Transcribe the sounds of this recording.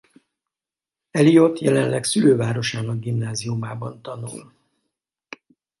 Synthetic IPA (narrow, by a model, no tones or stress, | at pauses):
ɛlijo̞t̪jɛlɛnlɛksyløːvaːɾo̞ʃaːnɒɡ̚ɡimnaːziumaːbɒnt̪ɒnṵl